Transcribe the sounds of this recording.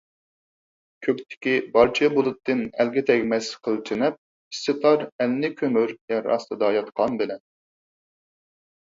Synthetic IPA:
kʲʰøkʲt̪ʰɪ̥kʲibɑɾt͡ʃʰbulˠɨt̪ːɨnælɡʲɪt̪ʰɛkʲmɛsqʰəlˠt̪ʰɪnɛp̚ | ist̪ɨt̪ʰɑɾɛlnɪkʲʰømyɾjɛɾɑ̰st̪ʰɨd̪ɑjɑt̪qʰɑnbɪlɛn

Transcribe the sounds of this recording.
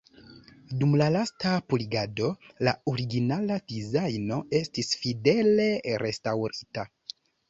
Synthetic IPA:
dumlalastapuliɡado̞laoɾiɡinalad̥izajno̞e̞stisfide̞le̞ɾe̞stawɾita

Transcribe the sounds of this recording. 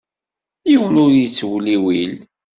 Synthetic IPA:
jiwənʊɾjit͡sːwliwil

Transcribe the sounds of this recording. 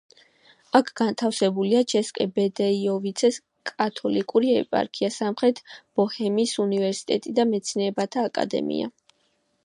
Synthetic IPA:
akʰɡ̥ant̪ʰafsɛbuliat͡ʃʰɛskʼɛbɛd̪ɛiɔvit̪sʰɛs | kʼat̪ʰɔlikʼuɾiɛpʼa̰ɾkʰiasamχɾɛt̪ʰb̥ɔhɛmisunivɛɾsi̥t̪ʼɛt̪ʼid̪amɛt̪sʰnɛːbat̪ʰaːkʼa̰d̪ɛ̰mḭa̰

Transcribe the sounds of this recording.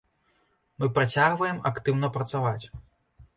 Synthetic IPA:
mɨpɾat͡sʲaɣvɐjɛmakt̪ɨwn̪ɐpɾɐt̪savat͡sʲ

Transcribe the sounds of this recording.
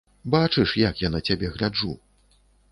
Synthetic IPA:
bat͡ʂɨʂjakjanɐt͡sʲabʲɛɣlʲad͡ʐu

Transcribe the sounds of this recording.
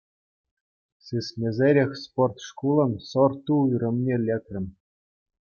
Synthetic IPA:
sɨsmʲezʲeɾʲexʲsport̪ʂkulˠɤ̆nsɤ̆rt̪uyrʲɘ̆mʲnʲelʲekʲrʲɘ̆mʲ

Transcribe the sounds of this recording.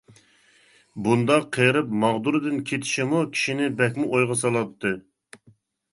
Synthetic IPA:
bund̪ɑqʰːəjɾɨpmɑʁd̪uɾɨd̪ɨnkʲʰet̪ʰɪ̥ʃimukʲʰi̥ʃinɪbɛkʲmuʔojʁɑs̬ɑlˠɑt̪ʰːɨ

